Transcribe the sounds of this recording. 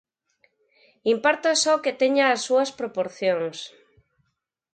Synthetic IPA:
impaɾt̪asɔket̪eɲaːsːuaspɾopoɾθjoŋs

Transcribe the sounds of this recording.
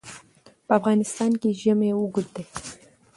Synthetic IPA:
pafɣɑːnɪst̪ɑːnkiʒəmeuɡʊd̪e

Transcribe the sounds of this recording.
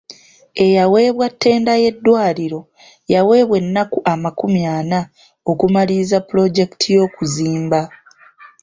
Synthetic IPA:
e̞jawe̞ːβwatʰːe̞ːndaje̞dːwaːliɾo̞ | jawe̞ːβwe̞nːakuʔamakumjaːna | o̞kumalizapːulo̞ɟe̞ki̥tʰijo̞ːkuziːmba

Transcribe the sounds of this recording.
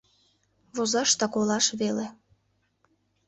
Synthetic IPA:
βozɑʃt̪ɑkolɑʃβele

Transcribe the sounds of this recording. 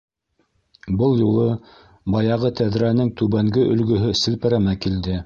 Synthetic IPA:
bɤlˠjulˠɤ | bɑjɑʁɤt̪æðɾænɘŋt̪ʉβæŋɡɘʔɵ̆lɡɵ̆ɦɵsɘ̆lpɘ̆ɾæmækild̪ɘ

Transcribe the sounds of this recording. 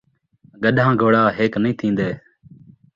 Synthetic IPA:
ɡəɗʱãːɡʱoːɽaːɦeːknĩːt̪ʰĩːnd̪eː

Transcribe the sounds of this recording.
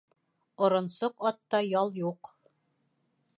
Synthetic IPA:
ŏɾŏnsoqɑt̪ːɑjɑlˠjuq

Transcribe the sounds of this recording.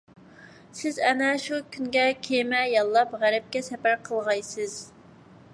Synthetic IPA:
sɪzɛnɛʃukʲʰynɡʲɛkʲʰemɛjɑlˠːɑpʁæɾɪp̚kʲɛsɛpæɾqʰəlˠʁɑjsɨz̥

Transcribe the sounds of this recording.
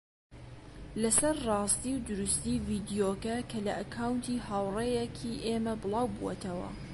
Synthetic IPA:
lɐsɐɾrɑːst̪iwd̪ʊɾust̪ivid̪ijokɐkʰɐlɐʔɐkʰawnt̪ʰiːhawrejekʰiʔemɐbɨlˠaːwbuwɐ̰t̪ʰɐwɐ̰

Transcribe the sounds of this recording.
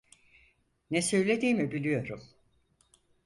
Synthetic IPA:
nɛsø̞jlʲe̞d̪iːmibilʲijo̞ɾum

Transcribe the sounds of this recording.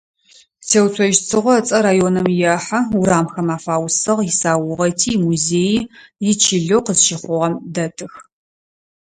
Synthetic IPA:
tʰeːwt͡sʷʰɐʒt͡sʰɨʁʷɔt͡sʼɐɾaːjoːnɐmjɛħauɾaːmxɐmaːfaːwsɨʁjɪsaːwʊʁɐtʰiːmuzeːjijɪt͡ʃʰɪɮowqəzʃɪχʷʊʁɐmdɐtʰɨx

